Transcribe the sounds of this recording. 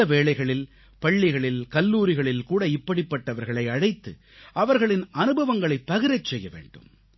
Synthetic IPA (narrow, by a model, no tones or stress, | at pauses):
ɐʋeːɭɐɪɣɐɭɪl | pɐɭːɪɣɐɭɪlkɐlːuːɾɪɣɐɭɪlkuːɽɐɪpːɐɽɪpːɐʈːɐʋɐɾɣɐɭɐɪɐɻɐɪt̪ːɯ | ʔɐʋɐɾɣɐɭɪnɐnɯbɐʋɐŋɡɐɭɐɪpːɐɣɪɾɐɪt͡ʃːsɛjːɐʋḛːɳɖɯ̰m